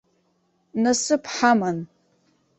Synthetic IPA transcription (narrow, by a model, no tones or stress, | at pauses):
nasɨpʰħaman